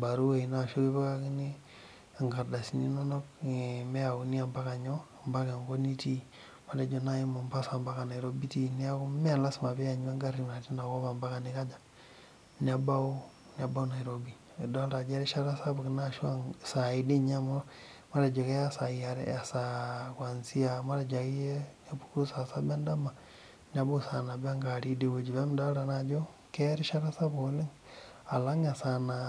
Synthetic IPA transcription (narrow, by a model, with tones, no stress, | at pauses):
ba˨ɾu˦we˨i˨na˨ʃo˦ki˦ba˦ka˦ki˦ni˦ | a˨ŋɡa˨ɾda˨si˨ni˦nɔ˦nɔ˦kmɛ˦a˨u˨ni˦a˨mba˦ka˨ɲɔ˦a˨mba˦ka˨ŋɡo˦ni˦ti˦ | ma˨da˨d͡ʒo˨na˦ji˦ma˨mba˦sa˨mba˦ka˨na˨i˨ɾo˦bi˦ti˦ni˦a˦kʊ˦mɛ˦a˨nla˦sma˨bɛ˦a˨ɲa˦ŋɡa˦ɾi˨ma˨ti˦na˨ko˦ba˨mba˦ka˨nɪ˦ka˦d͡ʒa˨ | ni˨a˨ba˦u˦ | n˨a˨ba˦u˦na˨jɾo˦bi˨ | da˦ɾa˨d͡ʒe˦ɾe˦ʃa˦ɾa˦sa˦bu˨ki˨naʃwa˦ŋsa˨idi˦ɲa˦mo˦ | ma˦ɾa˨d͡ʒe˨ke˦ja˦sa˨ia˨ɾḛa˨sakwa˨nsi˦ama˦ɾa˨d͡ʒa˨ki˦je˦na˦bu̥˦ku˦sa˨sa˦ba˦nda˦ma | na˦bo˦sa˨na˨ba˦ŋɡa˨ɾi˦di˨we˨d͡ʒi˨βe˦mda˦ɾa˨na˨d͡ʒo˦ | ke˦ɾi˦ʃa˦ɾa˦sa˦bole˦ŋ | a˨la˦ŋa˨sa˨na